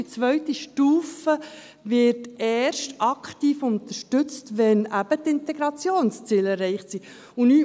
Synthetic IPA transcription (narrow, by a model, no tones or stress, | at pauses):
it͡sʋœʏtiʃtuːfə | vɪɾtɛːɾʃtɑkχtiːfʊnt̪əɾʃtʏt͡stʋɛnæbətɪnt̪ɛɡɾɑt͡sjoːnst͡siːlɛrːɛɪχtsi | ʊnyː